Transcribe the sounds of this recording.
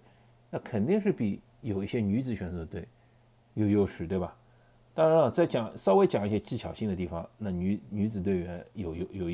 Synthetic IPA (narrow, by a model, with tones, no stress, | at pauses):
na˥˩kʰə˨˩nt̪i˥˧ŋʂ̬ɻ̩˥˩pi˨˧˩ | jo˨˩ʊi˥˩ɕjɛ˥ny˧˥t͡sɹ̩˨˧˩ɕɥɛ˨˩nt͡sɤ˧˥d̪ə˧t̪we˥˩ɪ | jo˨˩jo˥˩ʊʂɻ̩˨˥˩t̪we˥˩ɪbɐ˩ | t̪ɑ˥ŋɻa˧nə˧˩t͡sa˥˩ɪt͡ɕjɑ˨˩˦ŋsɑ˥˧ʊwe˧˥ɪt͡ɕjɑ˨˩ŋi˥˩ɕjɛ˥t͡ɕi˥˩t͡ɕʰjɑ˨˩ʊɕi˥˩ŋd̪ə˩t̪̬i˥˩fɑ̰˨˩ŋna˥˩ny˧˥ny˧˥t͡sɹ̩˨˩t̪we˥˩ɪɥɛ˧˥njo˨˩ʊjo˧˩ʊjo˨˩˧